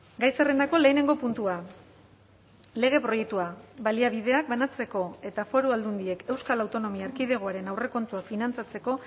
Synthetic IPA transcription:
ɡajsere̞nd̪ako̞le̞ːne̞ŋɡo̞punt̪ua | le̞ɣ̞e̞pɾo̞je̞k̚t̪uaβaliaβið̞e̞ak̚banat͡se̞ko̞e̞t̪afo̞ɾuald̪und̪ie̞ke̞wskalawt̪o̞no̞miaːɾkið̞e̞ɣ̞oaɾe̞nawre̞ko̞nt̪uakfinant͡sat͡se̞ko̞

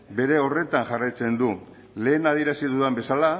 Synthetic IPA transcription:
be̞ɾe̞o̞re̞t̪aŋʝarajt͡se̞nd̪u | le̞ːnað̞ieɾasiðuðambe̞sala

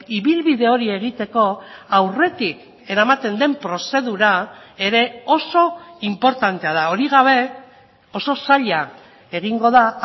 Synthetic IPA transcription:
iβilβiðe̞o̞ɾie̞ɣ̞it̪e̞ko̞awre̞t̪ik | e̞ɾamat̪e̞nd̪e̞mpɾo̞se̞ðuɾae̞ɾe̞o̞so̞impo̞ɾt̪ant̪e̞að̞ao̞ɾiɣ̞aβ̞e̞ | o̞so̞saʎa | e̞ɣiŋɡo̞ða

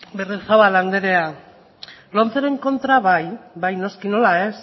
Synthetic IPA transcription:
beresaβaland̪eɾe̞a | lo̞nt͡seɾe̞ŋko̞nt̪ɾaβajbajno̞skino̞lae̞s

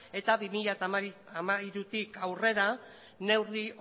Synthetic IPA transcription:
e̞t̪aβimiʎat̪aamaiɾut̪ikawre̞ɾa | ne̞wri

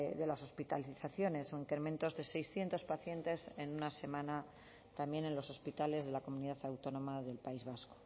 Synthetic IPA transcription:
ðe̞laso̞spit̪aliθaθjo̞ne̞soiŋkɾemẽ̞nt̪o̞zðe̞se̞jsθje̞nt̪o̞spaθje̞nt̪e̞se̞nunase̞mãna | t̪amje̞ne̞nlo̞so̞spit̪ale̞zðe̞lako̞muniðaθawt̪o̞nõ̞maðe̞lpaizβasko

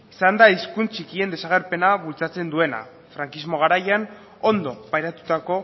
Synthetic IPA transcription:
isand̪aiskunt͡sikie̞nd̪esaɣe̞ɾpe̞naβult͡sat͡se̞nd̪ue̞na̰ | fɾaŋkizmo̞ɣ̞aɾajan | o̞nd̪o̞pajɾat̪u̥t̪ako̞

